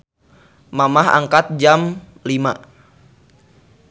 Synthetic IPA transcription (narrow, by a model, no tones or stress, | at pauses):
mamaɦa̰ŋkat̪̚d͡ʒam | lima